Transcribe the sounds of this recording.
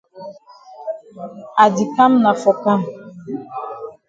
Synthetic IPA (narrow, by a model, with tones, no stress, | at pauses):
a˨di˨ka˦m̩˦na˨fɔ˨ka˦m̩˨